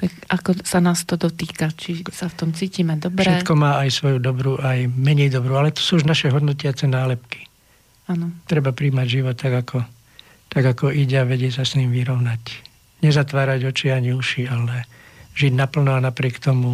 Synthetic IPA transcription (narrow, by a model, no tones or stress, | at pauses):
t̪akakɔsanaːst̪ɔd̪ɔt̪iːkat͡ʃisaft̪ɔmt͡siːciːmɛd̪ɔbɾʃɛɛkɔmaːajsʋɔjud̪ɔbɾuʔajmɛɲɛjd̪ɔbɾualɛt̪ɔ̥suːuʒnaʃɛɦɔd̪nɔcɪat͡sɛnaːlɛpki̥ | aːnɔt̪ɾɛbapɾiːmaɟʒiʋɔt̪ːaɡakʰɔ | t̪aɡakɔiɟɛaʋɛɟɪɛsasniːmʋiɾɔʊnac | ɲɛzat̪ʋaːɾaɟɔt͡ʃiaɲiuʃialɛʒiɟnapl̩nɔanapɾɪɛkt̪ɔmu